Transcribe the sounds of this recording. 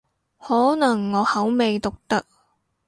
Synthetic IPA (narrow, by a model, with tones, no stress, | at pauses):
hɔː˨˥nɐ˨˩ŋːɔː˨˧hɐ˨˥wme˨jt̪ʊ˨k̚t̪ɐ˥k̚